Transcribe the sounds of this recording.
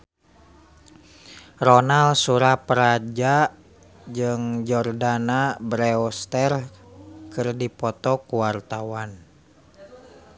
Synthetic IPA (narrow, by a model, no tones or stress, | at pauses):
rɔnalsuɾapəɾad͡ʒa | d͡ʒɨŋd͡ʒɔrdanabɾɛɔst̪ɛr | kɨrdipɔt̪ɔkuwart̪awan